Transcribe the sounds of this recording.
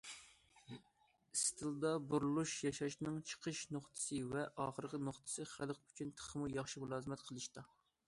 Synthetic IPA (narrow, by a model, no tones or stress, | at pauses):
ist̪ʰɨlˠd̪ɑbuɾlˠuʃjɑʃɑʃnɨŋt͡ʃʰə̥qʰəʃnoχt̪ʰɨ̥sɨvɛʔɑːχəɾqʲɪnoχt̪ʰɨ̥sɨχælˠqyt͡ʃʰynt̪ʰə̥χəmujɑχʃimulˠɑːzɨmɛt̪qʰəlˠɨʃt̪ɑ